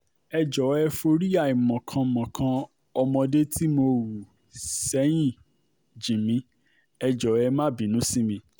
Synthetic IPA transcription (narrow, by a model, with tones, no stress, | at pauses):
ɛ˧d͡ʒɔ˨˦ɛ˧fo˧ɾi˦a˦˨i˨mɔ̃˨kʰã˧˨mɔ̃˨kʰã˧ | ɔ˧mɔ̃˧de˦ti˦mo˧wu˨ | sɛ˨˦j̃ĩ˦˨ | d͡ʒĩ˨mĩ˧˦ | ɛ˧d͡ʒɔ˨˦ɛ˧mã˦˨bi˨˦nũ˨˦si˦mĩ˧